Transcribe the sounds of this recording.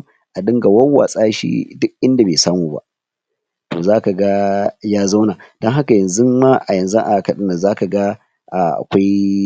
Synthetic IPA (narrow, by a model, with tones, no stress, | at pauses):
ʔa˨ɗɪ˦ŋɡa˨wɐ˦wa̰ː˨sʼaː˦ʃḭ˦dʊ˦kʔɪ˦nda˨beː˨saː˦muː˨ba̰˦ʔ | to̰˨zaː˦ka˨ɡa˦jaː˦za˦wnaː˨d̥ɔ˦ŋɦa˦ka˨jɐ˨nzu˦ma˦ʔa˨jɐ˨nzu˦ʔa˨kɐ˨ɗɪ˦na˨zaː˦ka˨ɡa˦ | ʔa˨ʔa̰˨kʷa˦j